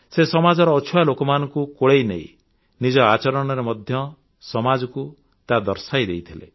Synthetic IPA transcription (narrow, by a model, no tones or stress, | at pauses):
sesɔmad͡ʒɔɾɔːt͡ʃʰualokɔmanɔŋkukoɽejneĩ | nid͡ʒɔat͡ʃɔɾɔɽ̃ɔɾemɔd̪ʱjɔ | sɔmad͡ʒɔku | t̪ad̪ɔɾsajd̪ejt̪ʰilḛ